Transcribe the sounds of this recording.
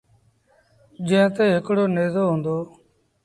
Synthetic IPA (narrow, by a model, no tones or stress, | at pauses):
d͡ʒẽːt̪eːɦɪkɽoːneːzoːɦõːnd̪oː